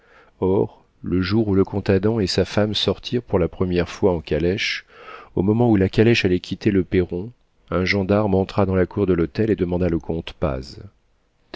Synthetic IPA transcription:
ɔʁ | ləʒuʁuləkɔ̃t̪ad̪ɑ̃esafamsɔʁt̪ʰiʁpuʁlapχəmjɛʁfwaɑ̃kalɛʃo̰mɔmɑ̃ulakʲalɛʃalɛkʲʰit̪eləpeʁɔ̃ | ɛ̃ʒɑ̃d̪aʁmɑ̃t̪χad̪ɑ̃lakʰuʁd̪əlot̪ɛled̪əmɑ̃d̪aləkʰɔ̃t̪pa̰z

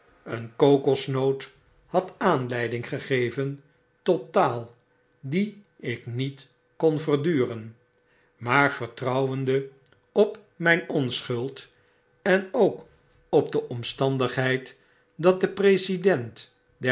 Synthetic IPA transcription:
ənkowkɔsnowt | hɑtaːnlɛjdɪŋχəχejvən | totaːlˠ | di | ɪknit | kɔnvəɹdyːrən | maːɹv̥əɹtrʌwəndə | ɔp | mɛjnɔnsχɵlˠt | ɛnowk | ɔb̚dəʔɔmstɑndəχɦɛjt | dɑt̚dəprejzidɛnt | dɛ

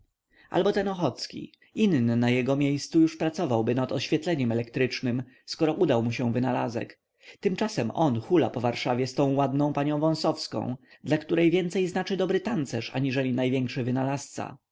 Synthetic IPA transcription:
ʔa̰lbɔt̪ɛnɔxɔt̪skʲḭ | innɘnajɛɡɔmʲjejst̪sujuʂpɾat̪sɔvawbɘnat̪ɔɕfʲjɛt̪lɛɲɛmɛlɛkt̪ɾɘt͡ʂnɘm | skɔɾɔʔud̪awmuɕɛ̃vɘnala̰zɛ̰k | t̪ɘmt͡ʂasɛmɔnxulapɔvaɾʂavʲjɛst̪ɔ̃w̃wad̪nɔ̃w̃paɲɔ̃w̃vɔ̃w̃sɔfskɔ̰̃w̃d̪lakt̪uɾɛjvʲjɛnt̪sɛjznat͡ʂɘd̪ɔbɾɘt̪ant̪sɛʂa̰ɲiʐɛlʲinajvʲjɛŋkʂɘvɘnalast̪sa̰

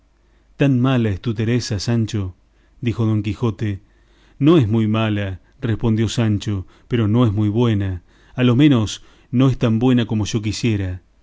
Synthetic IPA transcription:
t̪anmalaest̪ut̪eɾesasant͡ʃo̞ | ðixo̞ð̞o̞ŋkixo̞t̪e | no̞ezmujmala | respond̪jo̞sant͡ʃo | peɾo̞no̞ezmujβwe̞na | alo̞mẽno̞s | no̞est̪ambwe̞nako̞moʃo̞k̬isje̞ɾa

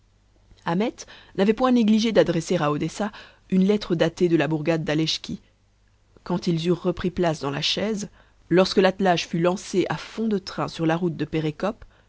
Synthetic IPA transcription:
amɛt̪navɛpwɛ̃neɡliʒed̪ad̪ʁɛseʁaod̪ɛsa | ynlɛt̪χəd̪at̪ed̪əlabuʁɡad̪ːalɛʃkʲi | kɑ̃t̪ilzyʁːəpχiplasd̪ɑ̃la̰ʃɛz | lɔʁskəlat̪laʒfylɑ̃seʔafɔ̃d̪ət̪χɛ̰̃syʁlaʁut̪̚d̪əpeʁekɔp

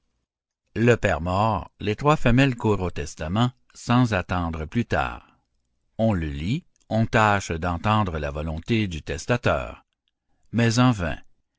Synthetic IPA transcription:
ləpɛʁmɔʁlet̪ʁwafɛmɛlkuːʁot̪ɛst̪amɑ̃ | sɑ̃zat̪ɑ̃d̪ʁəplyt̪a̰ːʁ | ɔ̃ləli | ɔ̃t̪aʃd̪ɑ̃t̪ɑ̃d̪ʁəla̰vɔlɔ̃t̪ed̪yt̪ɛst̪at̪œ̰ːʁ | mɛzɑ̃vɛ̰̃

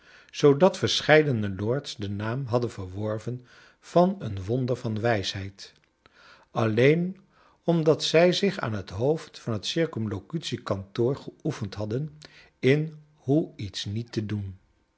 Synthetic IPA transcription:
z̥owdɑtfəɹsχɛjdənəlʊɹtsdənaːmɦɑdənvəɹʋɔɹvən | v̥ɑnənʋɔndəɹvɑnʋɛjsɦɛjt | ɑlejn | ɔmdɑtsɛjzɪχa̰ːnɦətɦowftfɑnɦətsɪɹkɔmlokytsikɑntʊːɹχəufəntɦɑdən | ɪn | ɦuitsnitədun

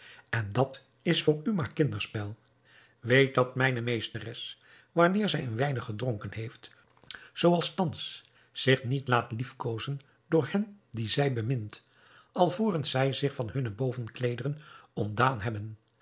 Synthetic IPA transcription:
ɛndɑt | ɪsfʊːɹymaːɹkɪndəɹspɛlˠ | ʋejt̚dɑt̚mɛjnəmejstərɛs | ʋanɪːɹzɛjənʋɛjnəχədrɔŋkənɦejft | z̥owɑlˠstɑns | z̥ɪχnitlaːtlifkowzən | dʊːɹhɛndizɛjbəmɪnt | ɑlˠvuːrənz̥ɛjzɪχfɑnhɵnəbowvənklejdərənɔmdaːnɦɛbən

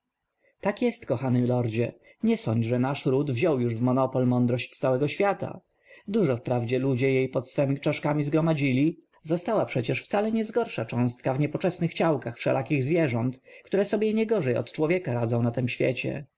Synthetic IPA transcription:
t̪akjɛst̪kɔxanɘlɔɾd͡ʑɛ | ɲɛsɔɲd͡ʑʐɛnaʂɾud̪vʑɔwjuʐvmɔnɔpɔlmɔnd̪ɾɔɕt͡ɕt̪sawɛɡɔɕfʲjat̪a̰ | d̪uʐɔfpɾavd͡ʑɛlud͡ʑɛjejpɔt̪sfɛmʲit͡ʂaʂkamʲizɡɾɔmad͡ʑilʲi | zɔst̪awapʂɛt͡ɕɛʂft̪salɛɲɛzɡɔɾʂat͡ʂɔ̃w̃st̪̚kavɲɛpɔt͡ʂɛsnɘxt͡ɕawkaxfʂɛ̰lʔakʲiɣzvʲjɛʐɔnt̪kt̪uɾɛsɔbʲjɛɲɛɡɔʐɛjɔ̰t̪t͡ʂwɔvʲjɛkaɾad̪zɔ̃w̃nat̪ɛmɕfʲjɛ̰t͡ɕɛ̰

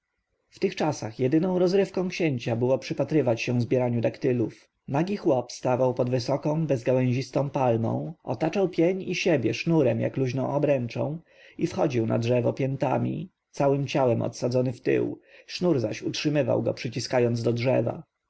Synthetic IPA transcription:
ft̪ɘxt͡ʂasaxjɛd̪ɘnɔ̃w̃ɾɔzɾɘfkɔ̃kɕeɲt͡ɕabɘwɔpʂɘpat̪ɾɘvat͡ɕɕɛ̃vzbʲjɛɾaɲud̪akt̪ɘluf | naɡʲixwɔpst̪avawpɔd̪vɘsɔkɔ̃w̃bɛzɡawɛ̃ʑist̪ɔ̃w̃palmɔ̰̃w̃ɔ̰t̪at͡ʂawpʲjeɲiɕebʲjɛʂnuɾɛmja̰kluʑnɔ̃w̃ɔbɾɛnt͡ʂɔ̰̃w̃ | ifxɔd͡ʑiwna̰dʐɛvɔpʲjɛnt̪amʲḭ | t̪sawɘmt͡ɕawɛmʔɔ̰t̪sad̪zɔnɘft̪ɘ̰wʂnuɾzaɕutʂɘmɘva̰wɡɔ̰pʂɘt͡ɕiskajɔnd̪ɔdʐɛva̰

